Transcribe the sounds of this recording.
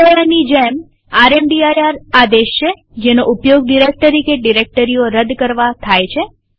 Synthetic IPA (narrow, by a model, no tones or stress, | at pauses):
əɭanid͡ʒem | aɾemɖiajaɾad̪eʃt͡ʃʰe | d͡ʒenoʔupjoɡɖiɾek̚ʈəɾikeɖiɾek̚ʈəɾijoɾəd̪kəɾʋat̪ʰajt͡ʃʰe